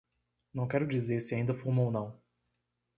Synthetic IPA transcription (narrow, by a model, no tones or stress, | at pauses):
nɐ̃w̃kɛɾʊd͡ʒizeɾsɪaĩd̪ɐfumownɐ̃w̃